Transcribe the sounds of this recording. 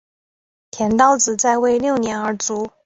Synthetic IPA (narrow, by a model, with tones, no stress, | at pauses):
t̪ʰjɛ˧˥nt̪ɑ˥ʊt͡sɹ̩˨˩t͡sa˥˧ɪwe˥˧ɪljo˥˩ʊnjɛ˧˥nə˞˧˥t͡su˧˥